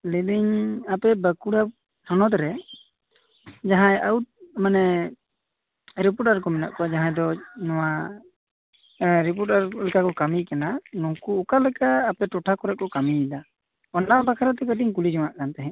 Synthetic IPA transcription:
libiɲapɛbəkuɽa | hɔnɔt̪ɾɛ | d͡ʒaɦãjaut̪̚manɛ | ɾip̬uɾʈaɾkɔmɛna̰ʔkɔad͡ʒaɦãjd̪ɔnɔwa | ɾip̬ɔɾʈaɾlɛkakɔkamikananũkuːkalɛkaːpɛʈɔʈʰakɔɾɛʔ̚kɔkamiːd̪a | ɔnɖabakʰaɾat̪ɛkəʈiɲkulid͡ʒɔwaʔkant̪ɛɦɛ̃

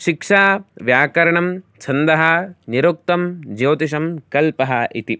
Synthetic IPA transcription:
ʃikʂaːʋjaːkɐɾɐɳɐmt͡ʃʰɐnd̪ɐɦɐniɾuk̚t̪ɐmd͡ʒɐwt̪iʃ̬ɐmkɐlpɐɦɐʔit̪i

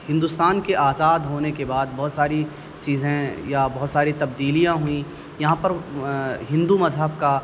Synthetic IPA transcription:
hɪ̃nd̪ust̪aːnkeʔaːzaːd̪ɦoːnekebaːd̪̚bɔɦːt̪saːɾi | t͡ʃiːzẽjabɐɦʊt̪saːɾit̪ɐb̚d̪iːlijãɦuĩ | jɐɦãpɐɾɦɪ̃nd̪umɐzɦəbka

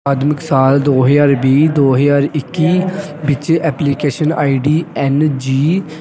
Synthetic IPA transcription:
aːd̪mɪksaːld̪oːɦəd͡ʒaːɾbiːd̪oːɦəjaːɾɪkːiːbɪt͡ʃɛːpliːkeːʃəna̰ːiːɖiːɛnd͡ʒiː

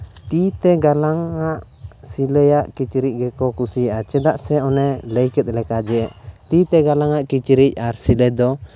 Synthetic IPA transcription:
t̪it̪ɛɡalaŋaʔ | silɛjaʔkit͡ʃɾic̚ˀɡɛkɔkusijaʔat͡ʃɛd̪aʔsɛɔnɛləjkɛt̪̚ˀlɛkad͡ʒɛɛʔt̪it̪ɛɡalaŋaʔkit͡ʃɾic̚aɾsilɛd̪ɔ

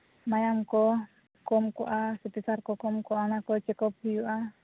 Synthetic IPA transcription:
majamkɔ | kɔmkuʔasit̪isarkɔkɔmkɔanakɔt͡ʃɛkɔp̚hijuʔa

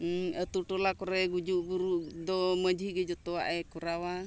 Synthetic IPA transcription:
ət̪uʈɔlakɔɾɛɡud͡ʒuʔbuɾuʔd̪ɔməd͡ʒiɡɛd͡ʒɔt̪ɔwa̰ʔɛkuɾawa

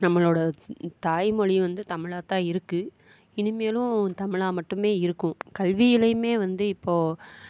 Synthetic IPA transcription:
nɐmːɐɭoːɽɐt̪aːjmɔɻiʋɐnd̪ɯt̪ɐmɪɭaːt̪ãːɪɾɯkːɯ | ɪnɯmeːlʊ̃t̪ɐmɪɭaːmɐʈːɯmeːɪɾɯkːʊ̃kɐlʋijɪlɐjɯmeːʋɐnd̪ɯɪpːoː

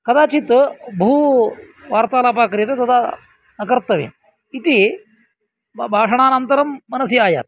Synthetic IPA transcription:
kɐd̪aːt͡ʃit̪bʱuː | ʋaːɾt̪aːlaːpaːkɾjɐt̪ɐt̪ɐd̪ʰa | nɐkɐɾt̪ɐʋḛː | it̪i | bʱaːʂɐɽ̃ɳ̃aːnɐnt̪ɐɾɐmːɐnɐsjɐaːja̰ːt̪̚

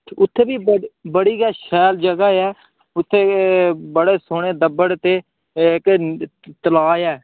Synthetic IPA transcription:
ʊt̪ʰːeːbiːbəbəɽiːɡaːʃɛːld͡ʒəɡaːɛː | ʊt̪ʰːeːbəɽeːsoːɽeːd̪əbəɽt̪eː | ɪkt̪əlaːɛː

